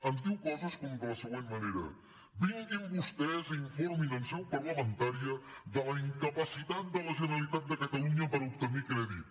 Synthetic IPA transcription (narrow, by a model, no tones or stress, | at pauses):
ənzd̪iwkɔzəskɔmd̪ələsəɣwenməneɾə̰ | biŋɡimbust̪ɛziɱfɔɾminəlˠsɛwpəɾləmənt̪aɾiəd̪ələiŋkəpəsit̪at̪̚d̪ələʒənəlit̪at̪̚d̪əkət̪əluɲəpəɾup̚t̪əmikɾɛðit̪